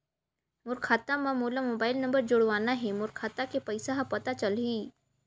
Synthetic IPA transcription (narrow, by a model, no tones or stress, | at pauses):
mʊɾkʰaːt̪amãmoːlamoːbaːɪlnɐ̃mbəɾd͡ʒʊɽʋaːnaɦɛmʊɾkʰaːt̪akepɐɪsaɦɐpɐt̪at͡ʃɐlɦiː